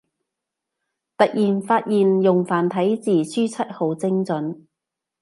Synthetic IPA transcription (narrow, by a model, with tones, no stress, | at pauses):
t̪ɐ˨k̚jiː˨nfaː˧t̚jiː˨njʊ˨˩ŋfaː˨˩nt̪ʰɐ˨˥jt͡siː˨˩syː˥t͡sʰɐ˥t̚ho˨wt͡sɪ˥ŋt͡sɵ˨˥n